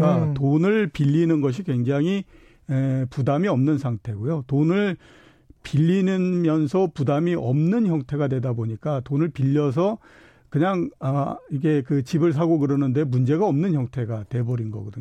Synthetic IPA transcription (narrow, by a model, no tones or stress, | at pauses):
katonɯɭpiʎːinɯnɡʌɕ̬ʰikwe̞ŋd͡ʑaŋɦi | epudamiʌmnɯnsʰaŋtʰe̞ɡojotonɯɭ | piʎːinɯnmjʌnsʰʌpudamiʔʌmnɯnçjʌŋtʰe̞ɣadwe̞daboɲik͈atonɯɭpiʎːʌs̬ʰʌ | kɯɲaŋʌiɡe̞kɯt͡ɕibɯɭs̬ʰaɡoɡɯɾʌnɯnde̞mund͡ʑe̞ɡaʌmnɯnçjʌŋtʰe̞ɡatwe̞bʌɾinɡʌ̰ɡʌdɯɲ